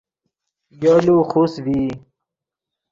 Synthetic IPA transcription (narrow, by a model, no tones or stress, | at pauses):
joːluxusviː